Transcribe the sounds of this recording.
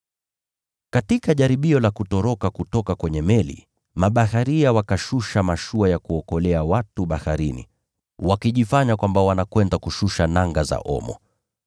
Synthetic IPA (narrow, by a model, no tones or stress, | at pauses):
katikaʄaɾiɓiɔlakutɔɾɔkakutɔkakwɛɲɛmɛlḭ | maɓahaɾiawakaʃuʃamaʃuajakuɔkɔlɛawatuɓahaɾinḭ | wakiʄifaɲakwambawanakwɛndakuʃuʃanaŋɡaza̰ʔɔ̰mɔ̰